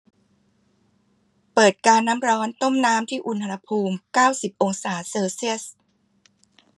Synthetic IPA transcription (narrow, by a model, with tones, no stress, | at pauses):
pɤː˨˩t̪̚kaː˧nːaː˦˥mɾɔː˦˥nt̪o˥˩mnaː˦˥mt̪ʰiː˥˩ʔu˧nʰa˧a˧pʰuː˧mkaː˥˩wsi˨˩p̚ʔo˧ŋsaː˩˦seː˧wsi˥˩əs